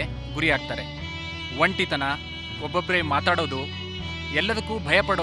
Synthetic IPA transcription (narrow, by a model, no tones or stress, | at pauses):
ɡuɾijaːɡ̚t̪aːɾe | ʋɐɳʈit̪ɐnɐ | ɔbːobːɐɾemaːt̪aːɽo̞ːd̪u | ɛlːɐd̪ɐkːuːbʱɐjɐpːɐɽo